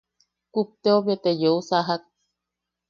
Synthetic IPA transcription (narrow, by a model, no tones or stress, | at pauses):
kup̚t̪eoβjet̪ejousaɦak̚